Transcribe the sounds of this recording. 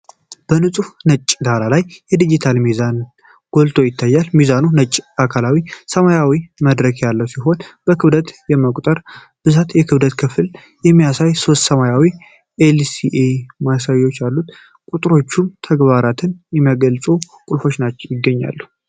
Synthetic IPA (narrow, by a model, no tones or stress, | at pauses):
b̥ənɨsʼufnət͡ʃʼːd̪aɾalajjɛd̪id͡ʒit̪ʰalmizan | ɡ̥o̞lt̪ʼʰo̞jɪt̪ʰːajːalmizanunət͡ʃʼːakʰalawisəmajawiməd̪ɾəkjalːəwsiɦo̞nb̥əkʰɨβd̪ət̪jɛməkʼt̪ʼəɾ | b̥ɨzat̪jɛkʰɨβd̪ət̪kʰɨfɨl | jɛmːijasajso̞st̪səmajawi | ʔelsiʔemasajːo̞t͡ʃːjalːut̪ | kʼut̪ʼɾo̞t͡ʃːunt̪ʰəɡbaɾat̪ʰɨnjɛməɡəlt͡sʼu | kʼʊlfo̞t͡ʃnat͡ʃːɛwjɪɡːəɲːa̰lːu